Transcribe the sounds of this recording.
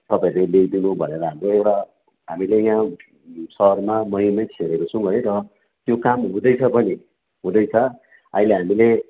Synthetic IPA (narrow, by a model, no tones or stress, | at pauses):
t̪ʌpaĩɾeleɡd̪inubʱʌneɾʌɦamroewʈa | ɦamilejã | sʌɦʌrmamʌɦimʌjt͡sʰeɾeɾot͡sʰũɦʌjɾʌ | t̪jokamɦũd̪ʌjt͡sʰʌpʌni | ɦũd̪ʌjt͡sʰʌ | a̰ileɦamile